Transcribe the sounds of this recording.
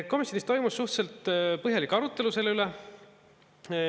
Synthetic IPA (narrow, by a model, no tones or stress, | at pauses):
ko̞misjo̞nist̪o̞jmusːuht̪se̞lt̪ˑpɤɦjɑlikːɑɾut̪ːˑe̞luse̞leyle